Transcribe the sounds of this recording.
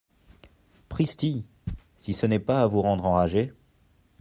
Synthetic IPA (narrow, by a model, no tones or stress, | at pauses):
pχist̪i | sisənɛpaːvuʁɑ̃d̪ʁɑ̃ʁaʒe